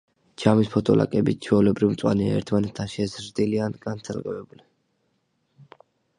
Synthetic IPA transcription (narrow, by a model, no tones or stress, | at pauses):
d͡ʒʰamispʰɔt̪ʰɔ̰lʔa̰kʼɛbit͡ʃʰwɛulɛbɾivmt̪sʼwa̰nia̰ɛ̰ɾt̪ʰmanɛt̪ʰːaʃɛzɾd̪ilianɡant̪sʰalɡɛvɛbulɛn